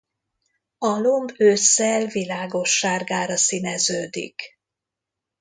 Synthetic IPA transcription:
ɒlombøːsɛlvilaːɡo̞ʃːaːrɡaːɾɒsinɛzøːd̪ḭk

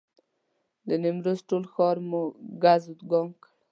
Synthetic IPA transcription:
d̪ənimɾosʈolxɔɾmuɡazut̪ɡɔŋk

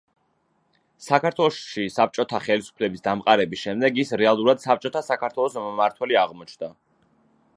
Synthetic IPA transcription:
sakʰaɾt̪ʰwɛlˠɔʃisap̚t͡ʃʼɔt̪ʰaχɛlisu̥pʰlɛbisd̪amqʼaɾɛbisʃɛmd̪ɛɡisɾɛalˠuɾad̪̥sap̚t͡ʃʼɔt̪ʰasakʰaɾt̪ʰwɛlˠɔsmaɾt̪ʰwɛliaʁmɔt͡ʃʰnd̪a

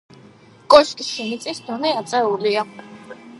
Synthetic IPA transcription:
kʼɔʃkʼiʃimit̪sʼisd̪ɔnɛat̪sʼɛulia

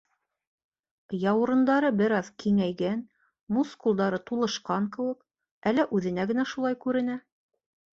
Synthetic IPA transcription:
jɑw̆ɾɤ̆nd̪ɑɾɤbɘ̆ɾɑðkiŋæjɡæn | muskulˠd̪ɑɾɤt̪ulˠɤ̆ʃqɑŋkɘ̆wɘk | ælːæʔʉðɘ̆næɡɘ̆næʃulˠɑjkʉɾɘ̆næ

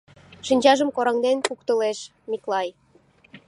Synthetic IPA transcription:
ʃinʲd͡ʑɑʒə̆mkoɾɑŋd̪enpukt̪ə̆leʃ | miklˠɑj

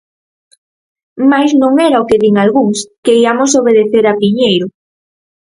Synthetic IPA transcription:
majznõŋɛɾaokeðiŋalɣuŋskeiamosoβ̞eðeθeɾapiɲejɾʊ

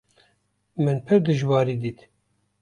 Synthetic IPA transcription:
mɨnpʰɨɾd̪ɨʒwɑːɾiːd̪iːt̪

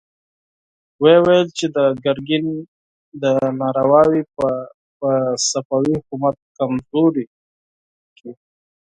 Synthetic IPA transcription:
wewajəlt͡ʃed̪əɡaɾɡin | d̪ənɑɾawɑwi | pəsafawihʊkumat̪̚kamzoɾi | ki

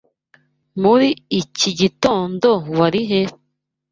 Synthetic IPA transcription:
muɾiit͡ʃiɟit̪ond̪owaɾiɦe

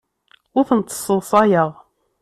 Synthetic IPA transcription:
ʊθənt̪ːə̥sˤəsˤɑjəʁˤ

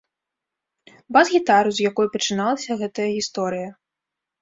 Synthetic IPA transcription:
bazɣʲit̪aɾuzjakɔjupɐt͡ʂɨnalˠɐsʲɐɣɛt̪ɐjɐɣʲist̪ɔɾɨjɐ

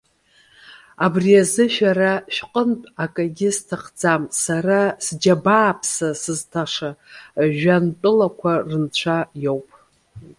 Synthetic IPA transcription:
abriazɨʃᶣaɾaʃᶣqʼəntʼakʼaɡʲɪstʰaχd͡zamsarasd͡ʒabaːpʰsasɨztʰaʂaʒᶣantʼɨlakʷʰarɨnt͡ɕʷʰajo̞wpʼ

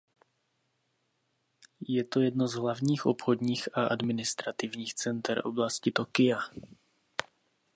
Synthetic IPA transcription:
jɛt̪o̞jɛdno̞zɦlavɲiːxʔo̰pxodɲiːxaʔadmɪnɪst̪ɾat̪ɪvɲiːxt͡sɛnt̪ɛɾʔo̞̰blascɪt̪o̞kɪja

